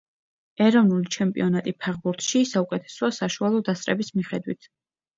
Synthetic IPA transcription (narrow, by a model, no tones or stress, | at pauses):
ɛɾɔvnulit͡ʃʰɛmpʼḭɔnat̪ʼipʰaʁbuɾt̪ʰʃisaukʼɛt̪ʰɛ̥sɔasaʃualˠɔd̪ast̪ʼɾɛbismiχɛd̪wḭt̪ʰ